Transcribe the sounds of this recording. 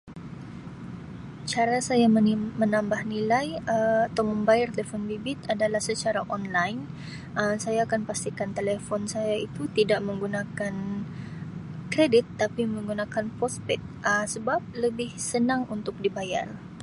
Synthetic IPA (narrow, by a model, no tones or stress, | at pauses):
t͡ʃaɾasajamənambahnilajəat̪awməmbajart̪elefɔnbibɪt̪adalahsət͡ʃaɾaʔɔnlajn | ʔəmsajaːkanpast̪ikant̪elefɔnsajait̪ut̪idaʔməŋɡunakan | kɾedɪt̪ːapiməŋɡunakanpɔspɛt̪̚əmsəbap̚ləbɪhsənaŋunt̪ʊk̚dibaja̰r